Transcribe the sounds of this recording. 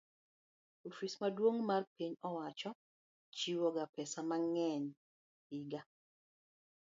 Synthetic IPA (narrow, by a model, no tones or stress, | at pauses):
ofismadwoŋmarpiɲɔwat͡ʃɔ | t͡ʃiwɔɡapɛsamaŋɛn | iɡa